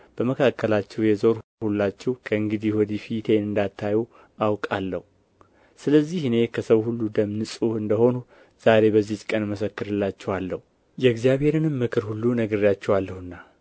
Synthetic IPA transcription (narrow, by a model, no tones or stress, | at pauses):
b̥əməkʰakːəlat͡ʃːɛwjɛzo̞ɾhulːat͡ʃːɛwkʰəɨŋɡɨd̪ihwɔd̪ifit̪ʰe̞nɨnd̪at̪ʰːaju | ʔawkʼalːəhu | sɨləzːihɨne̞kʰəsəwhulːud̪əmnɨsʼuɨnd̪əho̞nu | z̥aɾe̞bəzːiht͡ʃkʼənməsəkːɨɾɨlːat͡ʃːɛwalːəhu | jɛɡzijaβhe̞ɾɨnɨmːɨkʰɨɾhulːunəɡəɾjat͡ʃːɛwalːəhɨnːa